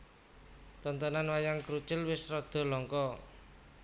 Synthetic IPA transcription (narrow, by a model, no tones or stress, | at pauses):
t̪ɔnt̪ɔnanwajaŋkɾut͡ʃɪlwɪsrɔd̪̥ɔ̤lɔŋkɔ